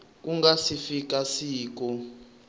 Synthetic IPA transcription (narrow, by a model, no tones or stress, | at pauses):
k̬ʼuŋɡasifik̬ʼasiːk̬ɔ